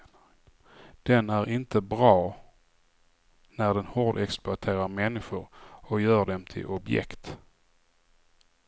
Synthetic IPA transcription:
d̪̥ɛnæɾɪnt̪əbɾɑː | næɖɛnhoːɖɛksplʊaʈ̪ʰeːɾaɾmɛnːɪɧʊɾɔjœːɖɛmt̪ʰɪ̰lʔɔbjɛ̰kt̪

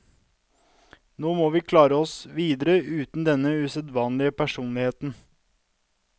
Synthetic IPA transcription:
noːmoːʋiːkʰlɑːɾəɔsʋiːd̪əɾəʉːt̪n̩d̪ɛnəʉsɛd̪ʋɑːnlɪəpʰæʂuːnlɪheːt̪n̩

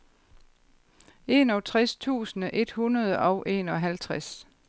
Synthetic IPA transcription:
e̝ːnɒt͡sʰʁɛst͡sʰṵːsn̩əʔe̝d̥hunɐð̞ˠəʔɒʊʔe̝̰ːnɒ̽ɦælt͡sʰʁas

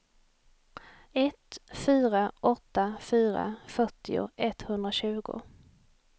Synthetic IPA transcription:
ɛt̪fyːɾaʔɔt̪ːafyːɾa̰fœʈːɪʊ̰ʔɛt̪ːhɵnd̪ɾaɕʉ̟ːɡʊ̰

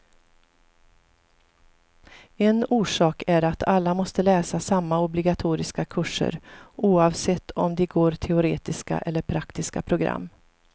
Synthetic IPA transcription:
ɛnuːʂɑːkæɾat̪ʰalːamɔst̪əlɛːsasamːaɔblɪɡat̪ʰuːɾɪskakʰɵʂːə̰ɾʔuːɑvsɛt̪ʰːɔmd̪ɛɡoːɾt̪ʰɛʊɾḛːt̪ɪska̰ʔɛlːəɾpʰɾakt̪ɪskapʰɾʊɡɾa̰mː

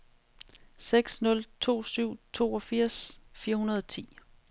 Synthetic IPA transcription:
seɡ̥snɔ̽lt͡sʰo̝̰ːsyʊ̰t͡sʰo̝̰ːɒ̽fiɐ̰sfiːɐhunɐðˠɒt͡sʰḭː

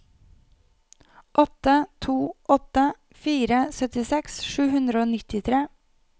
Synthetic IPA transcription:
ʔɔt̪ət̪ʰuːʔɔt̪ə | fiːɾəsœt̪ɪsɛksʃʉːhʉnd̪ɾəoːnɪt̪ɪt̪ʰɾeː

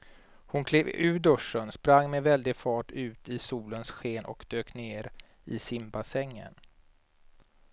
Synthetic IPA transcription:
hʊnkʰleːvʉ̟ːɖ̪ɵʂːənspɾaŋːmɛvɛld̪ɪɡfɑːʈʉ̟ːt̪ɪsuːlənsɧeːnʔɔ̰kd̪̥øːkneːɾ | ɪ̰sɪmbasɛŋːə̰n

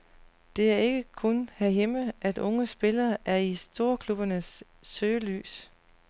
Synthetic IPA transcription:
d̥e̝æɐe̝ɡ̥əkʰɔnhæɦeməʔæd̥ɔ̽ŋəsb̥e̝lɐːʔæɐisd̥o̝ɐkʰlub̥ɐnəsː | øːly̰ːs

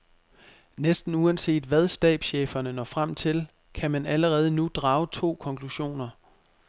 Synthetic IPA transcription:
nesd̥n̩uænse̝̰ːd̥ʋæð̞ˠsd̥ɛ̰ːb̥sɕḛːfɐnənɒ̰̽fʁam̰t͡sʰe̝l | kʰæmænæləʁɛːð̞ˠənud̥ʁɑ̈ːʊt͡sʰo̝̰ːkʰɒ̽ŋkʰluɕo̝̰ːnɐ

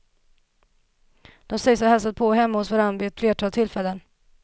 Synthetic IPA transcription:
d̪̥ɔmsɛjsahɛlsat̪̚pʰɔɦɛmːaʊsvoːɾanbeːt̪fleːʈʰɑːt̪ʰɪlfɛlːən

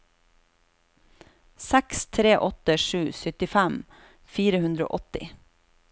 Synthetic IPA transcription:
sækst̪ʰɾeːʔɔt̪əʃʉːsʏt̪ɪfæm | fiːɾəhʉnd̪ɾəo̰ːʔɔt̪ɪ̰

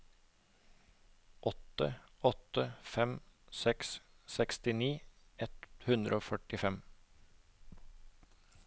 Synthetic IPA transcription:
ʔɔt̪ə̰ɔt̪əfɛmsɛks | sɛkst̪ɪniːɛt̪hʉnd̪ɾəoːfœʈɪfɛm

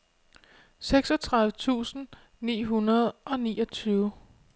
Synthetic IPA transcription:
seɡ̥sɒ̽t͡sʰʁäðˠʋət͡sʰṵːsn̩ | nḭːɦunɐð̩ˠʔɒ̽nḭːɒ̽t͡sʰyːʊ

